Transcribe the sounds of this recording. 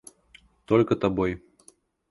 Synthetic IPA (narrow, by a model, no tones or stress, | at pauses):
t̪ɔlʲkɐt̪abɔj